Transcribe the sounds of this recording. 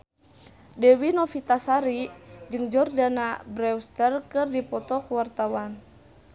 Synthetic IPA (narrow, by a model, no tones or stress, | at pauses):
dɛwinɔfit̪asaɾid͡ʒɨŋd͡ʒɔrdanabɾɛwst̪ərkɨrdipɔt̪ɔkuwart̪awan